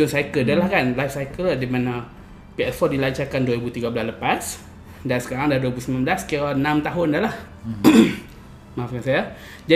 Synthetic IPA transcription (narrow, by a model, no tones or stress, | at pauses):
d͡ʒʊnsajkədalahkanlajfsajkəlladimana | piɛsfɔrdilaɲt͡ʃakanduaɾibut̪iɡablasləpas | dansə̥kaɾaŋdaduwaibusəmãnbəlaskianãmt̪aɦʊndalah | maafkansaja | d͡ʒa